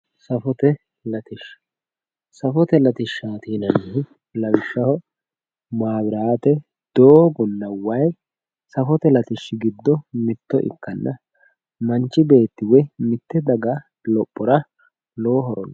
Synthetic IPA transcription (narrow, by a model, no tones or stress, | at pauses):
sɐfɔt̪ɛ | lɐt̪ɪʃ | sɐfɔt̪ɛlɐt̪ɪʃːaːt̪iːnɐnɪɦɪ | lɐwɪʃːɐhɔ | maːbɪɾaːt̪ɛ | d̪̥oːbɔnːɐwɐj | sɐfɔt̪ɛlɐt̪ɪʃːɪɡɪd̪ːɔmɪt̪ːɔʔɪ̰kːɐnːɐ | mɐnt͡ʃːɪbe̞ːt̪ːɪwɛmɪt̪ːɛd̪ɐɡɐ | lɔpʼːɔɾɐ | loːɦɔɾɔ̰nː